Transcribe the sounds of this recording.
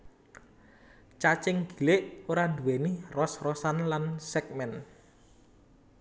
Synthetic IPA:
t͡ʃat͡ʃɪŋɡ̥i̤lɪʔoɾand̪uwenirɔsrɔsanlansɛk̚mɛn

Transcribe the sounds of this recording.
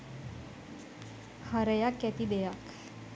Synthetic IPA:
haɾejakːæt̪id̪ejak

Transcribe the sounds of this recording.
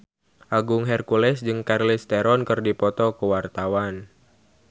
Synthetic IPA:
ʔaɡʊŋɦɛrkulɛsd͡ʒɨŋkarlɪst̪ɛɾɔnkɨrdipɔt̪ɔkəwart̪awan

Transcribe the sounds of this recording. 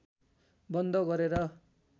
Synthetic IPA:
bʌnd̪ʱʌɡʌɾeɾʌ

